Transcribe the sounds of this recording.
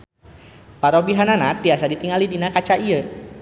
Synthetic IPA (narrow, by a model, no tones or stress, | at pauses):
paɾobiɦananat̪̚iasadit̪iŋalidinakat͡ʃaʔiə